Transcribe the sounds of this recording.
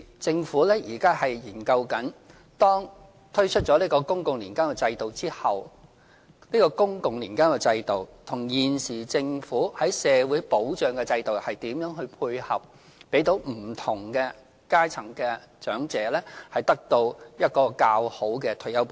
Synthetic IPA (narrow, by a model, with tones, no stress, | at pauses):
t͡sɪ˧ŋfuː˨˥lɛː˥jiː˨˩kaː˥hɐ˨jjiː˨˩nkɐ˧wkɐ˨˥n | t̪ɔː˥ŋ | t̪ʰɵ˥ɥt͡ʃʰɵ˥t̚t͡ʃɔː˨˥liː˥kɔː˧kʊ˥ŋkʊ˨ŋliː˨˩nkaː˥nkɛ˧t͡sɐ˧jt̪o˨wt͡siː˥hɐ˨w | niː˥kɔː˧kʊ˥ŋkʊ˨ŋlḭː˨˩nkaː˥nkɛ˧t͡sɐ˧jt̪o˨wt̪ʰʊ˨˩ŋjiː˨nsiː˨˩t͡sɪ˧ŋfuː˨˥hɐ˨˥jsɛː˨˧wuː˨˥jpo˨˥wt͡ʃœː˨ŋkɛ˧t͡sɐ˧jt̪o˨whɐ˨jt̪iː˨˥mjœː˨˥ŋɦɵ˧ɥpʰuː˧jhɐ̰˨p̚ | pe˨˥jt̪o˨˥wm̩˨˩t̪ʰʊ˨˩ŋkɛ˧ | kaː˥jt͡sʰɐ˨˩ŋkɛ˧t͡ʃœː˨˥ŋt͡sɛː˨˥lɛː˥hɐ˨jt̪ɐ˥k̚t̪o˧wjɐ˥t̚kɔː˧kaː˧who˨˥wkɛ˧t̪ʰɵ˨˩jɐ˥wp